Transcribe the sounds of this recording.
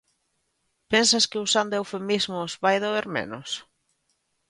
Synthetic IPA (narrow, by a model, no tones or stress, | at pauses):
pensɐskɪusand̪oewfemizmʊzβajðoeɾmḛnʊs